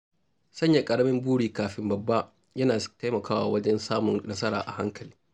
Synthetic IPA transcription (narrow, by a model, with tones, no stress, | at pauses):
sɐ˦ɲja˨kʼɐ˨ɽɐ˦mɪ˦mbuː˦ɽiː˨kaː˨ɸɪ˦mbɐ˨bːa˦ | jɐ˦naː˨ta˦jmɐ˨kʰaː˦wa̰ː˨wɐ˦d͡ʒɛ˦nsaː˦mʊ˨ŋnɐ˦sɐ˦ɾa̰ː˨ʔa˨ha˦ŋkɐ˨liː˦